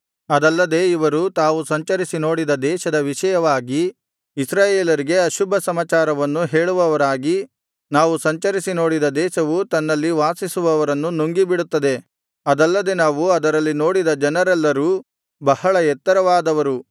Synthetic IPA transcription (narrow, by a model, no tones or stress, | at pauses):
ɐd̪ɐlːɐd̪e̞ːiʋɐɾut̪aːʋusɐɲt͡ʃɐɾisino̞ːɽid̪ɐd̪ɛːʃɐd̪ɐʋiʃɐjɐʋaːɡi | isɾaːjeːlɐɾiɡe̞ɐʃubʱɐsɐmaːt͡ʃaːɾɐʋɐnːuɦeːɭuʋɐʋɐɾaːɡi | naːʋusɐɲt͡ʃɐɾisino̞ːɽid̪ɐd̪ɛːʃɐʋut̪ɐnːɐlːiʋaːsisuʋɐʋɐɾɐnːunuŋɡibiɽut̪ːɐd̪e̞ | ɐd̪ɐlːɐd̪e̞naːʋuɐd̪ɐɾɐlːino̞ːɽid̪ɐd͡ʒɐnɐɾɛlːɐɾuː | bɐhɐɭɐɛt̪ːɐɾɐʋaːd̪ɐʋɐɾu